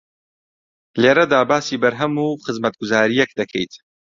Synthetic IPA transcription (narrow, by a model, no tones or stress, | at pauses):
leːɾɐd̪aːbaːsiːbɐɾɦɐmuːχɨzmɐt̪̚ɡʊzaːɾijɛk̚d̪ɐkʰɛ̰jt̪